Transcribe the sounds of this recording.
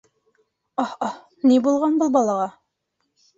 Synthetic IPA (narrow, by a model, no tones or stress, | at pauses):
ɑhɑ | nibulˠʁɑnbulˠbɑlˠɑʁɑ